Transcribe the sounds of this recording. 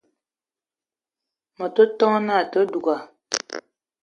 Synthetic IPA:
mə˨to˦tɔ˦na˦˨tə˦du˨ɡa˨

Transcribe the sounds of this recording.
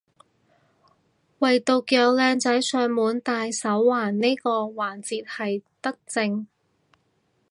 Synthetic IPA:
wɐ˨jt̪o˨˧wkjœː˧w̚lɛː˧ŋt͡sɐ˨˥jsœː˨˧ŋmuː˨˥nt̪aː˧jsɐ˨˥wːaː˨˩nne˥jkɔː˧waː˨˩nt͡siː˨˧t̚hɐ˨jt̪ɐ˥k̚t͡sɪ˧ŋ

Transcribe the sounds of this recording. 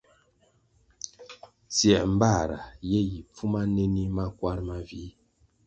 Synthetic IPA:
t͡sjɛ˨ʔm̩˦ba˦˨ɾa̰˨jɛ˦ji˨p͡fu˦ma˦nɛ˦ni˦ma˦kwa˦ɾma˦vi˨˦

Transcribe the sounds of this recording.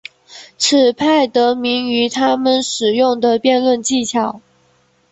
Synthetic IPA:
t͡s̩ʰ˨˩pʰa˥˩ɪt̪ɤ˧˥mi˧˥ŋy˧˥t̪ʰa˥mə˨nʂɻ̩˨˩jʊ˥˩ŋd̪ə˨pjɛ˥˧nlwə˥˧nt͡ɕi˥˩t͡ɕʰjɑ˨˩˦ʊ

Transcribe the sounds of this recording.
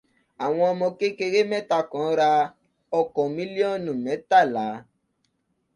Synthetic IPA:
a˨w̃ɔ̃˧ɔ˧mɔ̃˧ke˦ke˧ɾe˦mɛ̃˦ta˧kɔ̃˨˦ɾa˧ | ɔ˧kɔ̃˨mĩ˦li˦ɔ˦˨nũ˨mɛ̃˨˦ta˦˨la˨˦

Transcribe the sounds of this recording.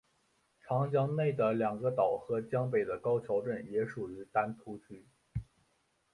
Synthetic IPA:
ʈ͡ʂʰɑ˧˥ŋt͡ɕjɑ˥ŋne˥˩ɪd̪ə˩ljɑ˨˩ŋɡə˦t̪ɑ˨˩ʊxɤ˧˥t͡ɕjɑ˥ŋp̬e˨˩ɪd̪ə˦kɑ˥ʊt͡ɕʰjɑ˧˥ʊʈ͡ʂə˥˩njɛ˧˥ʂu˨˩y˧˥t̪a˥nt̪ʰu˥t͡ɕʰy˥

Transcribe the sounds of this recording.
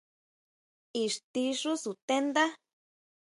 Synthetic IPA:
i˨ʂt̪i˧ʂu˦su˨t̪e˦nd̪a˦

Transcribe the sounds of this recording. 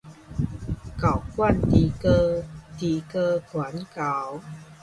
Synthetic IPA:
ka˨˩wkwa˥˨nt̪i˨˩kə˧t̪i˨˩kə˧kʰwa˨˦nka˨˦w

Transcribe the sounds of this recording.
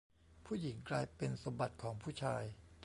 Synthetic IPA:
pʰuː˥˩ji˩˦ŋklaː˧jpe˧nsa˧mba˨˩t̪̚kʰɔː˩˦ŋpʰuː˥˩t͡ɕʰaː˧j

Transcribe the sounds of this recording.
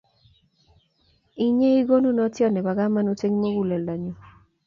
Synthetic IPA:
i˦ɲe˦i˦ɡo˦nu˦nɔ˦tjɔ˦˨nɛ˨ba˨ɡa˦ma˦nu˦t͡ʃe˦ŋmo˦ɡu˨lɛ˨la˨ɲo˨

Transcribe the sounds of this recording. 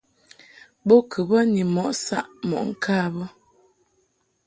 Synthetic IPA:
bo˦kʰə˨bə˦ni˨mɔ˨ʔsa˦ʔmɔ̰˨ʔŋ̩˨kʰaː˦˨bə˦

